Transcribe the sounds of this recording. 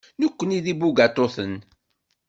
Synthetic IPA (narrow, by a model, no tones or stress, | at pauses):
nəkʷːəniðibuɡat̪ˤːoθən